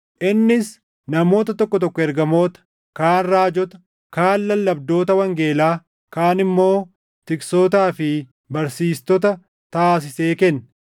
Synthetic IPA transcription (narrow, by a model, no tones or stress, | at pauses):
ʔɪnːɪs | nɐmo̞ːt̪ɐt̪ɔkːɔt̪ɔkːɔɛɾɡɐmo̞ːt̪ɐ̥ | kaːnraːd͡ʒɔt̪ɐ̥ | kaːnːɐlːɐbd̪o̞ːt̪ɐwɐŋɡe̞ːlaː | kaːnɪmːo̞ː | t̪ɪksoːt̪̬aːfɪ | bɐɾsiːst̪ɔt̪ɐ | t̪aːs̬ɪse̞ːkɛnː